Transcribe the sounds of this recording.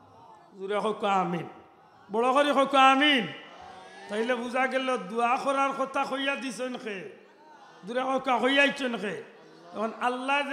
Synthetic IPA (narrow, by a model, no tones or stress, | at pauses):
zuɾaxɔkːaːmin | bɔɭɔxoɾixɔkːɔamin | t̪ailebuzaɡɛlɔd̪uaxɔɾaɾkɔt̪axojad̪isɔnxe | duɾaxɔkːaxojajt͡ʃʰɔnxe | ɛkɔnalːa